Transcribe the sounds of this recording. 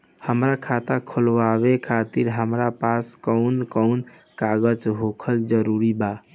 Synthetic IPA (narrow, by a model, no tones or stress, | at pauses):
həmɾakʰat̪akʰolʋabekʰat̪iɾɦəmɾapaskəʊnkəʊn | kaɡəd͡ʒɦokʰəld͡ʒəɾuɾiba